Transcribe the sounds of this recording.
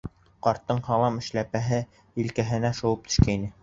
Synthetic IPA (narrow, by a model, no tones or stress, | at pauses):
qɑɾt̪ːɤɴhɑlˠɑmɘ̆ʃlæpæɦɘ | ilkæɦɘ̆næʃŏwɤp̚t̪ʰɵ̥̆ʃkæinɘ